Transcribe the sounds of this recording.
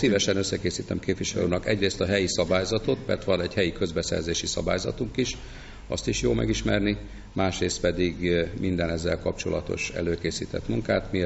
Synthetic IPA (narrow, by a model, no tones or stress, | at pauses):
sivɛʃɛnøsːɛkeːsiːt̪ɛmkeːp̪viʃɛlṵːnɒkɛɟreːst̪ɒɦɛjisɒbaːjzɒt̪o̞t̪mɛ̰rt̪ʋɒnɛɟhɛjikø̞zbɛsɛ̰rzeːʃisɒba̰ːjzɒ̰t̪uŋkiʃ | ɒst̪iʃjoːlmɛ̰ɡiʃmɛrni | maːʃreːst̪̚pɛd̪iɡmind̪ɛnɛzːɛlkɒpt͡ʃo̞lɒt̪o̞̰ʃɛ̰løːkeːsiːt̪ɛ̰t̪muŋkaːt̪mi